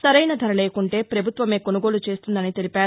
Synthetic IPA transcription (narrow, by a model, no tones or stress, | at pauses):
sɐɾɐjnɐd̪ʱɐɾɐleːkuɳʈe̞ːpɾɐbʱut̪ʋɐme̞ːko̞nuɡo̞ːlut͡ʃe̞ːst̪und̪ɐnit̪elipaːɾu